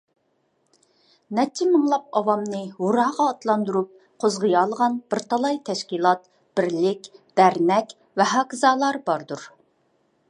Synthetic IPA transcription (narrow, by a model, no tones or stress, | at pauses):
nɛt͡ʃʰːɪmɨŋlˠɑp̚ɑwɑmnɨɦuɾɑːʁɑːt̪lˠɑnd̪uɾup̚ | qʰozʁəjɑːlˠəʁɑnb̥ɪɾt̪ʰɑlˠɑjt̪ʰɛʃkʲilˠɑt̪̚ | b̥ɪɾlɪkʲd̪̥æɾnɛkʲ | vɛɦɑːkzɑːlˠɑɾbɑɾd̪uɾ